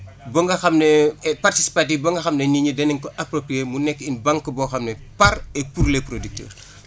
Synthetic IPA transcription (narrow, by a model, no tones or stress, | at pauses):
bɔŋɡɐxɐmnepartisi̥patifbɐŋɡɐxɐmneniɲədɛniŋkɔʔɐpɾopɾijeːmunɛkːinbaŋkːəbɔxɐmnɛpɐɾɛpuɾleprodik̚tɛ̰ːr